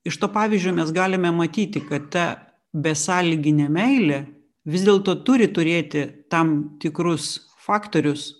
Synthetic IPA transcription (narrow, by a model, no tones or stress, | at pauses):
ɪʃt̪oːpɑːʋʲizʲd͡ʒʲoːmʲɛsɡɑːlʲɪmʲɛmɐt̪ʲiːt̪ʲɪkɐt̪t̪ɐ | bʲɛsɑːlʲiɡʲɪnʲɛmʲɛɪlʲɛ | ʋʲɪzd̪ʲeːlˠt̪oːt̪ʊɾʲɪt̪ʊɾʲeːt̪ʲɪt̪ɐmt̪ʲɪkɾʊs | fɑːkt̪oːɾʲʊs